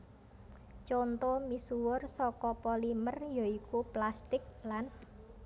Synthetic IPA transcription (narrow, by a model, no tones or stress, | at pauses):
t͡ʃɔnt̪omisuwʊrsɔkɔpɔlimərjɔikuplast̪ɪk̚lan